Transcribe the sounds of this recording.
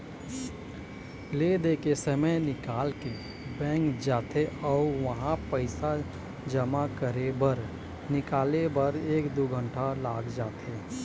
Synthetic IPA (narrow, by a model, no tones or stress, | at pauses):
led̪eːkesəməjnɪkaːlke | bɛ̃ːŋkd͡ʒaːt̪eɔːʋəɦãpəɪsa | d͡ʒəmakəɾebəɾ | nɪkaːlebəɾeːkd̪uɡʱə̃ɳʈʰalaːɡd͡ʒaːt̪ʰeː